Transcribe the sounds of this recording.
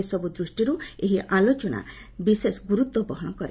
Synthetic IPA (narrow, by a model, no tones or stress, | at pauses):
esɔbud̪ɾusʈiɾueɦiʔalot͡ʃɔna̰ | bisesɡuɾut̪wɔbɔɦɔñɔkɔɾḛ